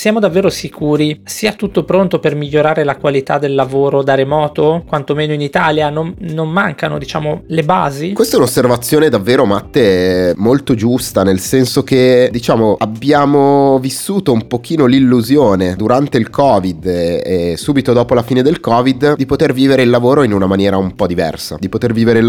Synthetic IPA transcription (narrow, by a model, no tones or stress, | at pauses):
sjaːmod̪avːeːɾosikʰuːɾisiːat̪ut̪ːopɾont̪opermiʎːoɾaːɾelakwalit̪ad̪elːavoːɾod̪aɾemɔːt̪okwant̪omeːnoinit̪aːljanomnomːaŋkano̰d̪it͡ʃa̰ːmoleba̰ːzikwest̪ɛunosːervat̪sːjoːned̪avːeːɾomat̪ːemolt̪od͡ʒust̪anelsɛnsok̟ed̪it͡ʃaːmoabːjaːmovisːuːt̪oumpok̟iːnolilːuzjoːned̪uɾant̪eilkʰɔːvid̪esuːbit̪od̪ɔːpolafiːned̪elkɔːvid̪d̪ipot̪erviːveɾeilːavoːɾoinunamanjɛːɾaumpɔd̪ivɛ̰rsa̰d̪ipot̪erviːveɾel